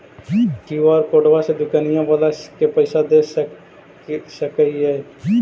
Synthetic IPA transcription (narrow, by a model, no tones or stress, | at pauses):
kiwaːɾkoːɖʋased̪ʊkaːnijãbalakepəɪsad̪eːs | səkəiɦɛː